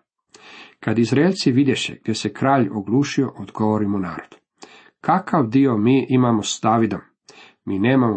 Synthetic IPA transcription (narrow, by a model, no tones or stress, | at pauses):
kad̪izɾeːʎʲt̪siʋid̪jeʃḛɡ̚d̪je̞sekɾaːʎoɡlˠuːʃio̞ʔod̪ɡoʋoɾimona̰ːɾod̪ | kakaʋd̪io̞miːʔimamosd̪aːʋid̪omː | iːneːmamo